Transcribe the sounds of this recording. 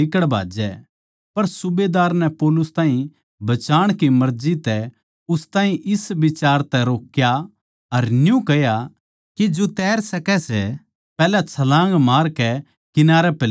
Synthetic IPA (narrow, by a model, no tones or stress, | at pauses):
ɪkəɽbʱa̰ːd͡ʒɛ̰ | pɐɾsʊbed̪aːɾnɛpɔːlʊst̪aːɦĩ | bɐt͡ʃaːɽ̃kimɐɾd͡ʒit̪ɛ | ʊst̪aːɦĩʔɪsbɪt͡ʃaːɾt̪ɛɾoːkːja | ɐɾnjũkɐja | kid͡ʒot̪ɛːɾsɐkɛsɛ | pɛːlat͡ʃʰɐlãːŋɡmaːɾkɛ | kɪnaːɾɛpɛl